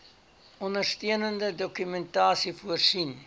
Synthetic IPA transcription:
ɔndərstiənəndədɔkymɛntɑːsifuərsin

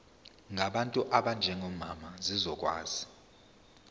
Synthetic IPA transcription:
ŋʱaɓantʼuʔaɓand͡ʒʱɛŋɔmamazizɔk̬ʼwa̰ːzi

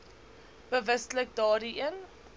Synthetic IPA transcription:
b̥əvəslək̚dɑːɾiʔən

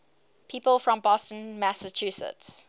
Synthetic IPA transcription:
pʰiːpəlˠfɹə̃mbɔstə̃nmæsət͡ʃʰʉsə̰ts

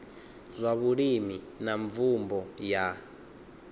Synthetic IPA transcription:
zʷaβuɺimi | naɱvumbɔja

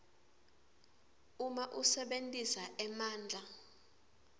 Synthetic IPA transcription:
umaʔusɛɓentʼisaʔɛmaːnd͡ɮʱa

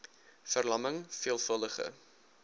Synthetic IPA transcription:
fərlɐməŋfiəlˠfəlˠdəχə̰

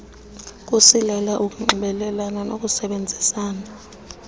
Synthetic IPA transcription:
k̬ʼusilɛlaʔuk̬ʼuŋ͡ǃuɓɛlɛlananok̬ʼusɛɓend͡zʱisaːna

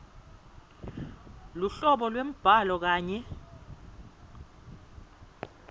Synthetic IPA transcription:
luɬɔɓɔlwem̩b̥ʱalɔk̬aːɲɛ

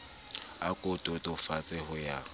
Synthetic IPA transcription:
akʼʊtʼʊtʼʊfat͡sʼɛhʊja

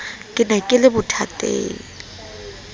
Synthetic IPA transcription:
kʼɪnakʼɪlɪbʊtʰatʼḛːŋ̩

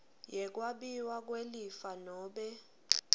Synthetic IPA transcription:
jɛk̬waɓiwak̬welifanɔːɓɛ

